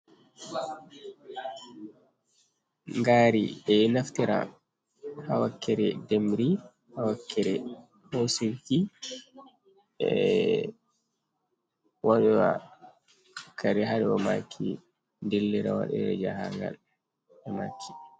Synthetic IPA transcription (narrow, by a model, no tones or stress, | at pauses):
ŋɡaːɾiɛnaftɛɾa̰ | hawakːɛɾɛdɛmɾi | hawakːɛɾɛ | hosilki | ɛ | waɗɛwa̰ | kʰaɾɛɦaɾɛɔmakʰːi | ndilːɛɾawa̰ɗɛɾɛ̰d͡ʒahaŋɡa̰l | ɛmakʰːi̥